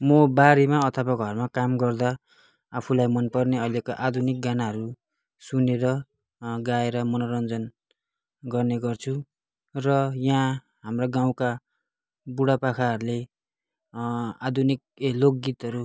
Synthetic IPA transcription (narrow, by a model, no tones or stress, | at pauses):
mʌbaɾemaʌt̪ʰʌbaɡʱʌrmakamɡʌrd̪aː | pʰulajmʌnpʌrneʌjlekaʔad̪ʱunik̚ɡanaɦʌɾu | suneɾʌ | ɡaeɾʌmʌnʌɾʌnd͡zʌn | ɡʌrneɡʌrt͡sʰu | rʌjã | ɦamraɡaw̃ka | buɽapakʰaɦʌɾule | ad̪ʱunik̚ | lok̚ɡit̪ɦʌɾu